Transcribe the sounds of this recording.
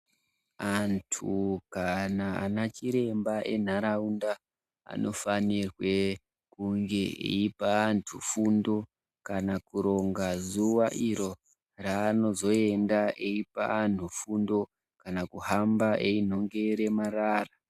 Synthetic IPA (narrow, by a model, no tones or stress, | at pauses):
antʰukanaa̰nat͡ʃiɾe̞mbaʔe̞n̤aɾaunda | a̰no̞fanirwe̞ | kuŋɡe̞ḛipaːntʰufundo̞ | kanakuɾo̞ŋɡazuʋaʔiɾo̞ | raːno̞zo̞e̞ndaʔeipa̰ːn̤ufundo̞ | kanakuɦambaʔe̞in̤o̞ŋɡe̞ɾe̞maraːra